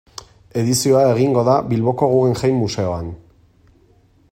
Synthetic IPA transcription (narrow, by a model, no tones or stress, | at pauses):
e̞ðisio̞ae̞ɣ̞iŋɡo̞ðaβilβo̞ko̞ɣue̞nʝajmːuse̞o̞an